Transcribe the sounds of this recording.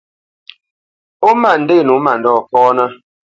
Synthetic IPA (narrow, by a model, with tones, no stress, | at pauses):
o˦ma˦˨n̩˨de˦˨nu˨˦ma˨ndɔː˦˨fɔː˦nə˦